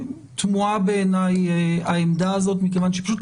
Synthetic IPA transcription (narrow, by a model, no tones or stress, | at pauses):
t̪muabe̞enajaemd̪aːzo̞t̪mikevanʃepḁʃut